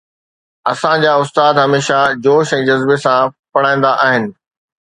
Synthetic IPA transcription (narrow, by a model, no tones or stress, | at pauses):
ɐsãd͡ʑaːʊst̪aːd̪ɦɐmeːʃad͡ʑoːʃɛ̃ːd͡ʑɐzbesãpɐɽ̤ãːĩn̆d̪aʔaːɦɪnɪ̆